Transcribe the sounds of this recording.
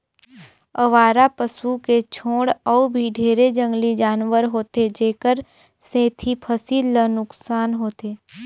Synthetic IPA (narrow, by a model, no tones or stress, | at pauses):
əʋaːɾapəsuket͡ʃʰõːɽɔubʱiɖʱeːɾed͡ʒə̃ŋɡlid͡ʒaːnʋəɾɦoːt̪ed͡ʒeːkəɾ | sẽːt̪ʰipʰəsiːlːənʊksaːnɦoːt̪eː